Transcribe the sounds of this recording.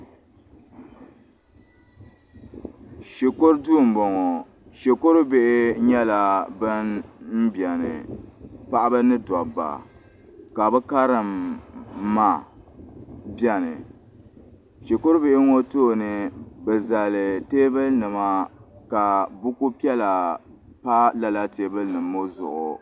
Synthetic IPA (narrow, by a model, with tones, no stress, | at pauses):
ʃe˨ko˦ɾduː˦˨m̩˨bɔ˨ŋɔ˨ | ʃe˨ko˦ɾʊ˦be˦ʔɪ˦ɲɛ˦la˨bɨ˦nm̩˦bjɛ˨nɨ̰˨pa˦ʔa˦bɨ˦nɨ˦dɔ˨ba̰˨ | ka˨bɛ˦ka˦ɾɨ˨mː | a˦˨ | bjɛ˦nɨ̰˨ | ʃi˨ko˦ɾbe˦˨ʔɪ˦ŋo˦toː˦nɨ˨bɛ˨za˨lɨ˨teː˦bɨ˦lnɨ˨ma˦ka˨bu˦ku˦pi˦ɛ˦la˨ | pa˦la˦la˦teː˨˦bɨ˦lnɨ˨mːo˦zʊ̰˨ʔʊ̰˨